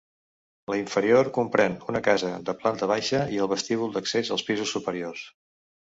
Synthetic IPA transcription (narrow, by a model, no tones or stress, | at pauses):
ləiɱfəɾioɾkumpɾɛnunəkazəd̪əplant̪əβ̞ajʃəiəlˠβəst̪iβ̞ulˠd̪əksezəlˠspizusːupəɾiors